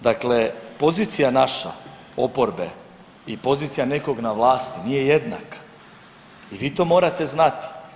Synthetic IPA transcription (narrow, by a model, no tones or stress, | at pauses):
d̪akle̞po̞ziːt̪sijanaʃa̰ | o̞po̞ɾbe̞̰ | ipo̞ziːt̪sijane̞ko̞ɡnaʋlˠaːst̪inije̞je̞d̪na̰kḁ | iʋiːt̪o̞ːmo̞ːɾat̪e̞znat̪i̥